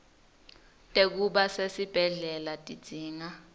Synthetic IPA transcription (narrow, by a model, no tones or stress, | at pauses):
tʼek̬uɓasesib̥ʱɛɮɛlatʼi̥d͡z̥ʱiːŋa